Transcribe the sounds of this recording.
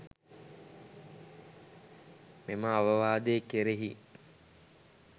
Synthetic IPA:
meməaʋəʋaːd̪ekeɾeɦi

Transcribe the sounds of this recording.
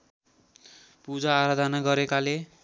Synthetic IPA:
pud͡zaːɾad̪ʱʌnaɡʌɾekale

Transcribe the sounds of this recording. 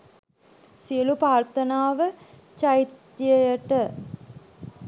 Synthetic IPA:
siəlupaːɾt̪ənaːʋə | t͡ʃait̪jəjəʈə

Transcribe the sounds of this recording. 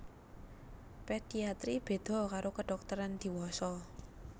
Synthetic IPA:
ped̥iat̪ɾib̥e̤d̪̥ɔ̤kaɾokəɖ̥ɔk̚t̪əɾand̪̥i̤wɔsɔ

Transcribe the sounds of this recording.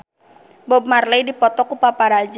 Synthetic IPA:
bɔb̚marlejdipɔt̪ɔkupapaɾad͡ʒ

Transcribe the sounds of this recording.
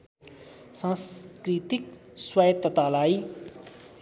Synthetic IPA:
sãskɾit̪ik̚swajət̪ːət̪alaj

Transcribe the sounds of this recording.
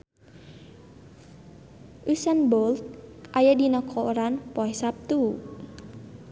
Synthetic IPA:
ʔusanbɔlt̪̚ajadinɔkʰɔɾanpɔɛsap̚t̪u

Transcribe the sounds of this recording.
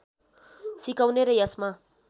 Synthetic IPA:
sikawneɾʌjʌsma

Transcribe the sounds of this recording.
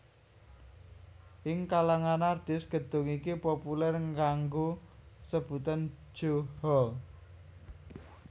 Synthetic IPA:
ʔɪŋkalaŋanard̪̥ɪsɡ̥ə̤d̪̥ʊ̤ŋikipopulɛrŋɡaŋɡosəb̥ut̪ən̥ | ʒ̥ohɔ

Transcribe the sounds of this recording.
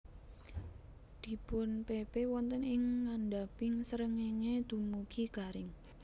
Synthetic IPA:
d̪̥i̤pʊnpebewɔnt̪ənɪŋːanɖapɪŋsəɾəŋeŋed̪̥ṳmukʰiɡ̥a̤ɾɪŋ

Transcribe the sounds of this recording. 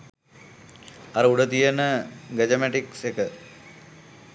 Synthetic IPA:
ɐɾəuɖət̪ijənəɡed͡ʑɐmeʈiksekə

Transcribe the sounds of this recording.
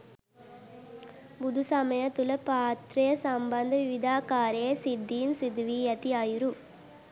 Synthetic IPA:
bʊðusɐmɐjɐt̪ːulɐpaːt̪ɾɐjɐsɐmbɐnd̪ɐʋɪʋɪd̪aːkaːɾeːsɪd̪ːinsɪd̪ʋijɐt̪iaːjɾu

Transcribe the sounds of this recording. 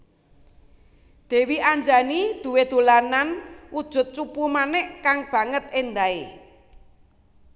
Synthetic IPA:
d̪̥e̤wiʔaɲd͡ʒanid̪̥ṳwed̪̥o̤lananʔud̥ʒ̥ʊ̤t̪̚t͡ʃupumanɛʔkaŋb̥ä̤ŋət̪̚end̪ae

